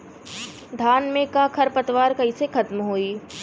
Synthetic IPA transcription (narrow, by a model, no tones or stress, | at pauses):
d̪ʱaːnmẽkakʰɐɾpɐt̪ʋaːɾkɐɦisekʰɐt̪mɦoːiː